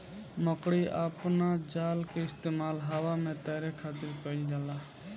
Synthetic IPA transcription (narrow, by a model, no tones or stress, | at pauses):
məkɽiʔa̰pnad͡ʒaːlkeɪst̪eːmaːlɦaʋaːmẽːt̪əːɾekʰaːt̪ɪɾkəɪld͡ʒaːlaː